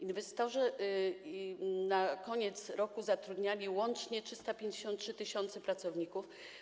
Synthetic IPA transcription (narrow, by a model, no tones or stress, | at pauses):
invɛst̪ɔʐɛ | nakɔɲɛt̪sɾɔkuzat̪ɾud̪ɲalʲiwɔnt͡ʂɲɛtʂɘst̪apʲjeɲd͡ʑeɕɔnt̪̚tʂɘt̪ɘɕɔnt̪sɛpɾat̪sɔvɲikuf